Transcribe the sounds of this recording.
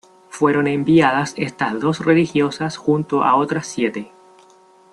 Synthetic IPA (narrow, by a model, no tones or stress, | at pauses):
fwe̞ɾo̞nẽmbiað̞ase̞st̪azðo̞srelixjo̞sasxunt̪oʔa̰ot̪ɾasːje̞t̪e